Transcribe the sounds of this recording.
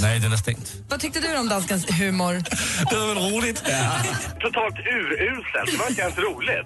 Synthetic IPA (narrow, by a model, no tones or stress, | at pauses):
nɛjd̪ɛnast̪ɪ̰ŋt̪ | vat̪ʰʏk̚t̪əd̪ɵɾɔmd̪anskənsɦʉ̟ːmʊɾd̪̥ɛvaɾɛnɾuːlɪɛt̪ʰʊt̪ʰɑːlt̪ʉ̟ːɾʉ̟ːsɛ̰ld̪ɛvaɾɪt̪əɡɛlt̪ɾuːlɪt̪